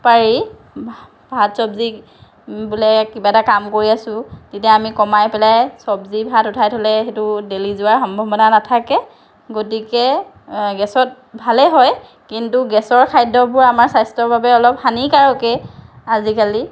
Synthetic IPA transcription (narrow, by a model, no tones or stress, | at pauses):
paɹi | b̥ʱatsɔbzi | bulɛkibaɛtakamkoɹiasʊ̃titiaamikɔmajpɛlajsɔbzibʱatutʰajtʰɔlɛxetʊdelizʊwaɹxɔmbʱɔbɔnanatʰakɛ | ɡotikɛ | ɡɛsɔt̚ | bʱalɛɦɔj | kintuɡɛsɔɹkʰajdɔbʊɹamaɹsajstɔɹbabɛɔlɔp̚hanikaɹɔkɛ | azikali